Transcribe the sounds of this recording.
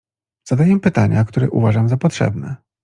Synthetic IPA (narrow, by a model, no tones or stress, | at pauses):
z̥ad̪ajɛmpɘt̪aɲakt̪uɾɛʔṵvaʐamzapɔt̪ʂɛ̰bnɛ